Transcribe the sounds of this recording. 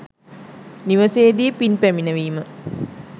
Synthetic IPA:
niʋəseːd̪iːpinpæminəʋiːmə

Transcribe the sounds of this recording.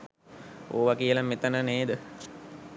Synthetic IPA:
o̰ːʋakijəlamet̪ənəneːd̪ə

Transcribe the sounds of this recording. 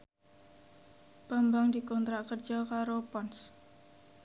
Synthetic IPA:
pambaŋdikɔnt̪ɾaʔkərd͡ʒɔkaɾopɔns

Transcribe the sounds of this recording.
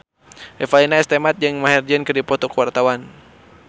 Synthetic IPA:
ʔɛfainaɛst̪ɛmat̪̚d͡ʒɨŋmaɦɛrd͡ʒənkɨrdipɔt̪ɔkəwart̪awan

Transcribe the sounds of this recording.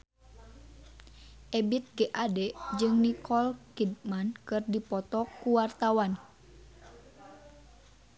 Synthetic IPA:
ʔɛbit̪̚ɡɛʔadɛd͡ʒɨŋnikɔlkidmankɨrdipɔt̪ɔkuwart̪awan

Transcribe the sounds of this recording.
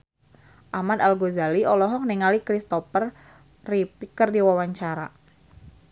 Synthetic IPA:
ʔamanalɡozaliɔlɔɦɔk̚niŋalikɾist̪ɔpər | ripikərdiwawaɲt͡ʃaɾa̰

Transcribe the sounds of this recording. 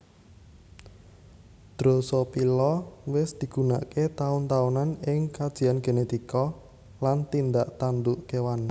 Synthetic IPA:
d̪̥ɾosɔpilɔwɪsd̪̥i̤ɡ̥ṳna̰ʔket̪aʊnt̪aunanɪŋkad̥ʒ̥i̤anɡ̥enet̪ikɔ | lant̪ind̪aʔt̪and̪uʔkewan

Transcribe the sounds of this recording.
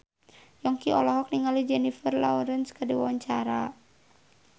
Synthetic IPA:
jɔŋkiɔlɔɦɔk̚niŋalid͡ʒɛnifərla̰ɔɾənskədiwa̰waɲt͡ʃaɾa

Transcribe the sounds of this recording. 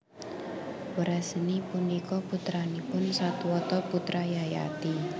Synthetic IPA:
wəɾasənipunikɔput̪ɾanipʊnsat̪uwɔt̪ɔput̪ɾajaja̰t̪i

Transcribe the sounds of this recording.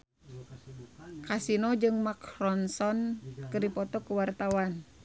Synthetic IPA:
kasinɔd͡ʒɨŋmakrɔnsɔnkɨdipɔt̪ɔkuwart̪awan

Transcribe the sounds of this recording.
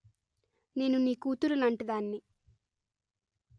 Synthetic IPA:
ne̞ːnuniːkuːt̪uɾunɐɳʈid̪aːnːi

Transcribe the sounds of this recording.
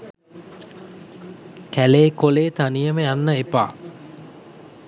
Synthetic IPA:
kæleːkoleːt̪anijəməjanːəepa̰ː

